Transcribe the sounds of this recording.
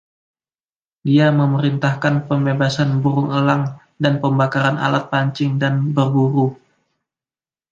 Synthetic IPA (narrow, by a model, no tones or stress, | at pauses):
diaməməɾint̪ahkanpəmbebasanbuɾʊŋəlaŋ | danpəmbakaɾana̰lat̪̚paɲt͡ʃɪŋdanbərbuɾu